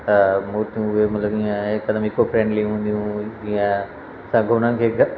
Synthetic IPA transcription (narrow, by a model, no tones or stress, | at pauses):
t̪ɐmoːɾt̪ijũʊɦemɐt̪ləbijãekːɐd̪mɪkopʰɾẽːɳɖlĩɦũːnd̪iɦũd͡ʑĩjã | sɐ̃ɡʱoʊɽ̤̃ənɪ̆kʰeːɡʱ